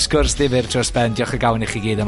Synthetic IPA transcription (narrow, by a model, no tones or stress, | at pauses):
skʊrsðɪvɪrtʰrɔsbɛndjɔχəɡawniχiɡiːðəm